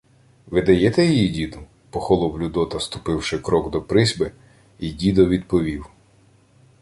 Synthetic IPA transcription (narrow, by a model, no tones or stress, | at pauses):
ʋɪd̪ɐjɛt̪ɛjijidʲid̪ʊ | pɔxɔlˠɔwlʲʊd̪ɔt̪ɐst̪ʊ̥pɪwʃɪkɾɔɡd̪ɔpɾɪzʲbɪ | idʲid̪ɔʋʲid̪pɔʋʲiw